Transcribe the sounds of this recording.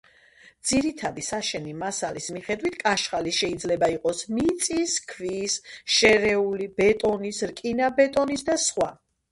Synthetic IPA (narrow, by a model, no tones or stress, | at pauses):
d̪z̥iɾit̪ʰad̪isaʃɛnimasalismiχɛd̪wit̪ʰkʼaʃχaliʃɛid̪zlɛbaiqʼɔsmit̪sʼiskʰvisʃɛɾɛulibɛt̪ʼɔnisɾkʼinabɛt̪ʼɔnisd̪asχwa